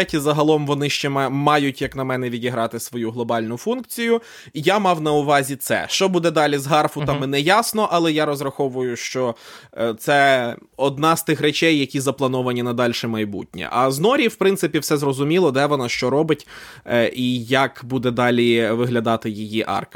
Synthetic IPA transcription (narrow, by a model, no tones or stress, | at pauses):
ɛtʲizɐɦɐlˠɔmʋɔnɪʃt͡ʃɛmɛmɑjʊtʲjɐknɐmɛnɛʋʲidʲiɦɾɑt̪ɪsʋɔjuɦlˠɔbɑlʲnʊfunkt͡sʲijʊ | ijamɑwnɐʊʋɑzʲit̪sɛ̰ʃt͡ʃɔbud̪ɛd̪ɑlʲizɦɑrfʊt̪ɑmɪnɛjɑsnɔʔɐlˠɛjaɾɔzɾɐxɔʋʊjʊʃt͡ʃɔt̪sɛɔd̪̚nɑzt̪ɪxɾet͡ʃɛjːɐkʲizɐplˠɐnɔʋɐnʲinɐd̪ɑlʲʃɛmɐjbṵtʲnʲɛ̰ʔɐznɔɾʲiwpɾɪnt̪sɪpʲiwsɛzrɔzʊmʲilˠɔd̪ɛʋɔnɑʃt͡ʃɔɾɔbɪtʲ | ijɐkbud̪ɛd̪ɑlʲiʋɪɦlʲɐd̪ɑt̪ɪjijiʔɑ̰rk